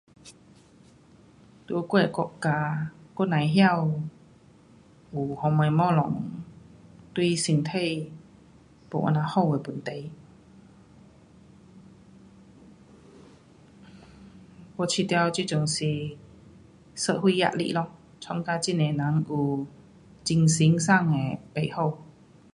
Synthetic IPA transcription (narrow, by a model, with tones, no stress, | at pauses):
t̪u˧ko˥˩e˨˩kɔ˧ʔka˧ko˧˥nã˨jɦja˥˧w | u˨˩hɔ˧me˧˩jmɔ˥˧˨lɔ˨˦ŋ | t̪wi˥˧si˧nt̪ʰe˥˨j | po̰˨˩ʔa̰˧na˧hɔ˥˧˨we˨˩pu˨˦nt̪e˨˩j | wɔ˧˩t͡ɕʰi˧t̪ja˧wt͡ɕu˧˩t͡ɕʊ˨˩ŋsi˨˩ | sə˧t̚hwi˧ja̰˧˨ʔ̚lḭ˧˩lɔ˧ | t͡sʰwɔ˧ŋkaː˧˥t͡ɕi˥˨ne˨˩na˨˦ŋu˨˩ | t͡ɕi˧ŋsi˨˧˦ŋsa˥˧˨ŋe˨˩pe˨˩jho˥˩w